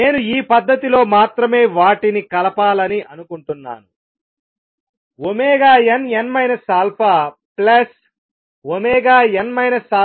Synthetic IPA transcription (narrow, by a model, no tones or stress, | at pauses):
ne̞ːnuiːpɐd̪ːɐt̪ilo̞ːmaːt̪ɾɐme̞ːʋaːʈinikɐlɐpaːlɐniʔɐnukuɳʈunːa̰ːnu | omeːɡaːjenenmɐjnɐsaːlpʰaː | plɐs | omɛːɡaːjenmɐjnɐsaː